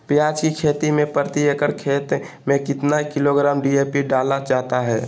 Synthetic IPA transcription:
pjaːd͡ʒkikʰeːt̪imẽpəɾt̪iekəɾkʰeːt̪ | mẽkɪt̪naikɪloɡɾaːmɖiepiɖaːlad͡ʒaːɦt̪aɦɛ̰ː

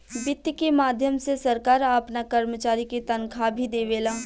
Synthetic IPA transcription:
bɪt̪jkemaːd̪ʱjəmsesɐɾkaːɾaːpnakɐɾmət͡ʃaːɾikit̪ɐnkʰabʱid̪eːʋeːlaː

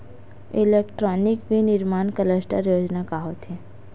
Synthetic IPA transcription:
ɪleːkʈɾɔːnɪkbʱinɪɾmaːnkələsʈəɾjoːd͡ʒnakaɦoːt̪ɦɛ̃ː

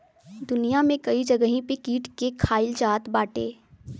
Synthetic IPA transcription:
d̪ʊnijamẽkɐid͡ʒɐɡəɦĩpekiːʈkekʰaːɪlt͡ʃaːt̪baːʈḛː

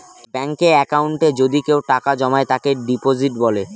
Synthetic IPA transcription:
bɛŋkeɾɛkauɳʈed͡ʑod̪ikewʈakad͡ʑɔmaet̪akeɾɖipod͡ʑiʈbɔle

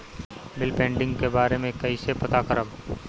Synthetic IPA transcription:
bɪlpẽːɳɖɪ̃ŋɡkebaːɾemẽkɐisepɐt̪akəɾəb

